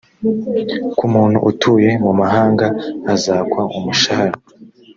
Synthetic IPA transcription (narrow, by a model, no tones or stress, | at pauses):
kumuːnhṵʔutʰuːje̞mumaɦaːŋɡaːzaːkwaumuʃahaɾa